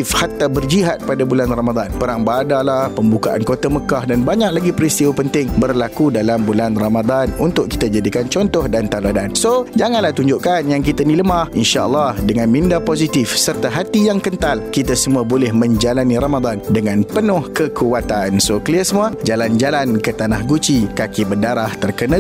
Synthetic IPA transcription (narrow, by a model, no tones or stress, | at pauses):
fhat̪abərd͡ʒiɦat̪̚padabulanramad̪anpəɾaŋbadalahpəmbukaʔa̰nkot̪aməkahdanbaɲak̚laɡipəɾist̪iwapənt̪ɪŋbərlakudalambulanramad̪anunt̪ʊʔkːi̥t̪ad͡ʒadikant͡ʃɔnt̪ɔhdant̪aladansod͡ʒaŋanlaht̪uɲd͡ʒʊʔkanjaŋkit̪aniləmahʔinʃaʔəlːɑhdəŋãnmĩndapozit̪ɪfsərt̪aɦat̪ijaŋkənt̪alkit̪asəmuabolɛhmə̃ɲd͡ʒalaniɾamad̪andəŋãnpənʊhkəkʰuwat̪ansokəliəsəmuad͡ʒaland͡ʒalankət̪anahɡut͡ʃikakibədaɾaht̪ərkənã